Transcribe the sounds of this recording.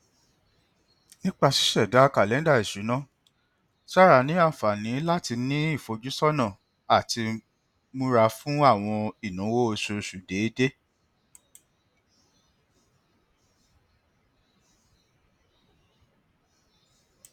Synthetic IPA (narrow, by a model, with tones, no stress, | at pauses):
nĩ˦k͡pa˧ʃi̥˦ʃɛ˦˨da˨˦ka˨lɛ˨˦da˦˨i˨ʃu˨˦nã˦ | ʃa˦ɾa˧˨nĩ˨˦a˦˨fa˨nĩ˨˦la˦ti˧nĩ˦i˦˨fo˧d͡ʒu˦sɔ˦nã˦˨ | a˨ti˧ | mũ˦ɾa˧fũ˦a˦˨w̃ɔ̃˧i˦˨nũ˨˦wo˦o˧ʃu˧ʃu˨de˨˦de˦